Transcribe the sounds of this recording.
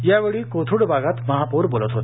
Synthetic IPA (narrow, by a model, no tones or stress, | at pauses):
jaʋeɭikot̪ʰuɽbʱaɡat̪məɦapuɾbolət̪ɦot̪